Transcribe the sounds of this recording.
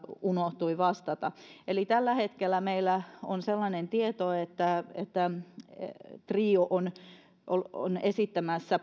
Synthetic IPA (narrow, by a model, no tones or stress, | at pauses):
unoht̪uiʋɑst̪ɑt̪ɑelit̪ælːæhet̪kelːˑæmeilːæonselːɑnent̪iet̪oet̪ːæḛt̪ːæ | t̪riːoʔon | ʔolo̰nesit̪ːæmæsːæ